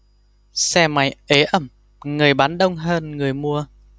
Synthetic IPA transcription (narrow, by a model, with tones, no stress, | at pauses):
sɛ˧ma˨˦jʔe˨˦ʔə˧˩m | ŋɨ˨˩əjɓaː˨˦nɗə˧wŋ͡mɦəː˧nŋɨ˨˩əjmu˧ə